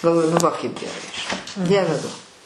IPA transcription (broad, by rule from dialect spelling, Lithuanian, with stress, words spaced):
ɡɐlˠˈʋoːjʊ nʊ ˈʋɐ kɐɪp ɡʲɛˈrɐɪ ʒʲɪˈnɐɪ ˈdʲiɛʋʲɛ ˈduɔ